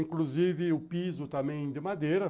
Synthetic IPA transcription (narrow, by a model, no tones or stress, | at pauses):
ĩŋkluzivɪʊpizʊt̪ɐ̃mẽj̃d̪ɪmad̪ejɾɐ